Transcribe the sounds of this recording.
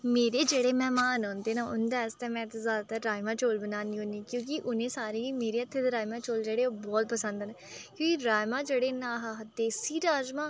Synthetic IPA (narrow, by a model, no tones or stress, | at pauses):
meːɾeːd͡ʒeːɽeːmɛːmaːnɔːnd̪eːnaːʔʊ̰nd̪eəst̪ɛ̃ːmɛ̃ːt̪azjaːd̪aːt̪aːʈɾaːjmãːt͡ʃoːlbənaːniːɦõːniːkjõːkɪʔʊnẽːsaːɾeːiːmeːɾeːət̪ʰːeːt̪ːɾaːjmãːt͡ʃoːld͡ʒeːɽeːoːbɔːt̪̚pəsə̃nd̪nː | kjõːkiɾaːjmãːd͡ʒeːɽeːnaːɦaɦt̪eːsiːɾaːd͡ʒmaː